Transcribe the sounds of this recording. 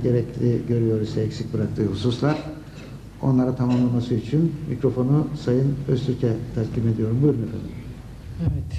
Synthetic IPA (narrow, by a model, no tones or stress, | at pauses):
ɟe̞ɾɛclʲiɟø̞ɾyjo̞ɾuzsɛecʲsic̚ʲbɯɾak̚t̪ʰɯːhususlˠaɾ̥ | o̞̰nlˠaɾat̪ʰamamlˠamasɯit͡ʃʰinmḭcɾo̞fo̞nusajɯnøst̪ʰyɾcʰɛt̪ʰaɾcʰime̞d̪ijo̞ɾumbuɾunakʰa̰nˠɯ̰ɾ | ɛvɛt̪